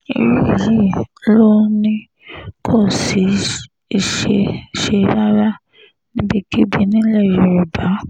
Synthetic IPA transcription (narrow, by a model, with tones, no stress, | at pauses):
ḭ˨ɾi˦i˨ji˦lo˦nĩ˦ | kʰɔ˦˨si˨˦ | i˨ʃe˧˨ʃe˧˦ɾa˦ɾa˦ | nĩ˦bi˧ki˦bi˧˨nĩ˦lɛ˦˨i˨ɾi˨ba˨˦